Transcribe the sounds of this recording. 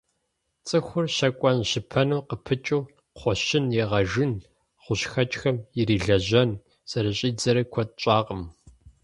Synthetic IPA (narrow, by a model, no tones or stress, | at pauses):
t͡sʼɨxʷʊrʃɐkʷʼɔnʃɪpʰɐnuːqəpʰɨt͡ʃʼuː | qʰʷɔʃɪnjɛʁɐʒɨn | χʷʊɕxɐt͡ʃʼxɐmjɪriːɮɐʑɐn | sɐɾɐɕʼiːd͡zɐɾɐkʷʰɔt̚ʼɕʼɑːqʼəm